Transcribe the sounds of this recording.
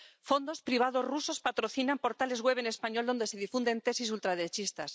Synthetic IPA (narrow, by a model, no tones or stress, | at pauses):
fo̞nd̪o̞spɾiβ̞að̞o̞zruso̞spat̪ɾo̞θinampo̞ɾt̪ale̞zɣwe̞βene̞spaɲo̞ld̪o̞nd̪e̞se̞ð̞ifund̪e̞nt̪e̞sis̬ult̪ɾaðeɾet͡ʃist̪as